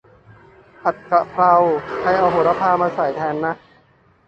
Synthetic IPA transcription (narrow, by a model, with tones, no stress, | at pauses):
pʰa˨˩t̪̚ka˧pʰɾa˧wkʰa˧˩jʔa˨˩wɦoː˨˩˦ɾa˧˥pʰaː˧maː˧sa˨˩˦jt̪ʰɛː˧nːa˦˥ʔ